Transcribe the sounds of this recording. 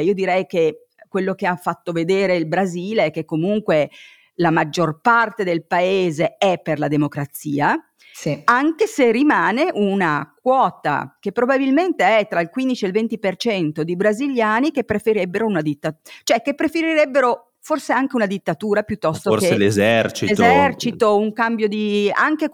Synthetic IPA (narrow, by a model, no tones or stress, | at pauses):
iod̪iɾɛjk̟e | kːwelːok̟eafːat̪ːoved̪eːɾeilbɾaziːleɛkːekːomuŋkwe | lamad͡ʒːorpart̪ed̪elpaeːzeɛpːerlad̪emokɾat̪siːa | siaŋkeserːimaːneʔunak̚wɔːt̪a̰k̟epːɾobabilment̪eɛt̪ːɾailkwind̪it͡ʃielvent̪ipert͡ʃɛnt̪od̪ibɾaziljaːnik̟epːɾefeɾɛbːeɾounad̪it̪ːat͡ʃoɛkːepːɾefeɾiɾɛbːeɾo | forseaŋkeunad̪it̪ːat̪uːɾapjut̪ːɔst̪ookelezɛrt͡ʃiezɛrt͡ʃit̪ouŋkambjod̪ia̰ŋk̟e